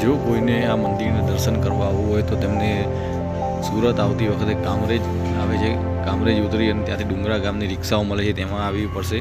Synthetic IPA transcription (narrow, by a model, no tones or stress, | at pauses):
d͡ʒokoineamənd̪iɾned̪əɾʃənkəɾʋaʋoɦojt̪ot̪emne | suɾət̪aʋt̪iʋəkʰət̪eɡamɾed͡ʒ | aʋet͡ʃʰe | ɡamɾed͡ʒut̪ɾiɦənet̪jãt̪ʰiɖũŋɡɾaɡamniɾɪksaoməlet͡ʃʰet̪emãaʋipəɾʃe